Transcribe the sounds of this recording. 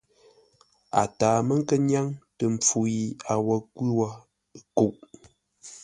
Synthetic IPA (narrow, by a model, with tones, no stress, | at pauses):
a̰˨taː˨mə˦ŋ̩˦kə˦ɲja˦ŋtə˨m˨p͡fu˨ji˨a˨wɔ˨kwi˦wa˦ | ku˨ʔ